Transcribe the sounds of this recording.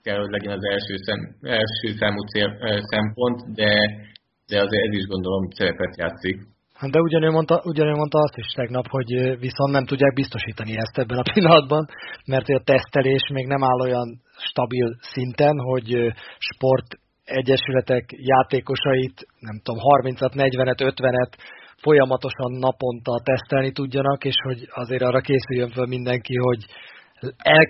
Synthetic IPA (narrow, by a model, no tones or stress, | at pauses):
kɛlhoɟlɛɟɛnɒzɛlʃøːsɛɛlʃøːsaːmut̪sesɛmpo̞nt̪d̪ɛ | d̪̥ɛɒzeːɾɛziʒɡo̞nd̪o̞lo̞msɛɾɛpɛt̪ja̰ːt̪sik | hɒd̪ɛuɟɒnøːmo̞nt̪ɒʔuɟɒnøːmo̞nt̪ɒɒst̪iʃt̪ɛɡnɒpho̞ɟviso̞nt̪nɛmt̪uɟːaːɡ̚bist̪o̞ʃiːt̪ɒniɛst̪ɛbːɛnɒpilːɒnɒd̪bɒnmɛrt̪hoɒt̪ɛst̪ɛleːʃmeːɡnɛmaːlːo̞jɒn | ʃt̪ɒbilsint̪ɛnɦo̞ɟʃpo̞rt̪ | ɛɟːɛʃylɛt̪ɛkjaːt̪eːko̞ʃɒjit̪nɛmt̪o̞mɦɒrmint̪sɒt̪nɛɟʋɛnɛt̪ø̞t̪ʋɛnɛt̪fo̞jɒmɒt̪o̞ʃɒnːɒpo̞nt̪ɒlt̪ɛst̪ɛlnit̪uɟːɒnɒkeːʃho̞ɟɒzeːɾɒːrːɒkeːsyjːøɱfølmind̪ɛŋkiɦo̞ɟ | ɛl